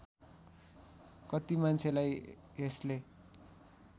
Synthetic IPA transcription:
kʌt̪imant͡sʰelaj | esle

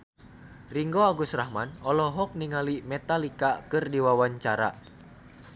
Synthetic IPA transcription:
riŋɡoaɡusrahmanɔlɔɦɔk̚niŋalimɛt̪alikakɨrdiwawaɲt͡ʃaɾa̰

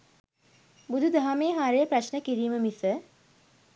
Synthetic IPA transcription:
bud̪ʱud̪ʱaɦameːɦaɾejəpraʃnəkiɾiːməmisə

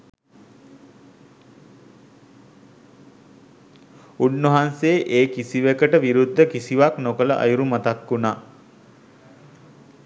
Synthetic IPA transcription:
unːəɦanseːʔeːkisiʋekəʈəʋiɾud̪ʱːəkisiʋaknokələʔa̰juɾumat̪akːunaː

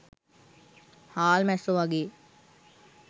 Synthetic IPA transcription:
haːlmɛsoʋaɡeː

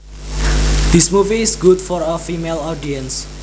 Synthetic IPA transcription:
d̪̥ismuviːsɡudfɔɾəfimelɔdiə̃ns

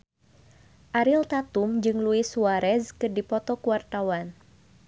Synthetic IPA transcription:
ʔaɾɪlt̪at̪umd͡ʒɨŋluɪsuaɾɛskɨrdipɔt̪ɔkuwart̪awan

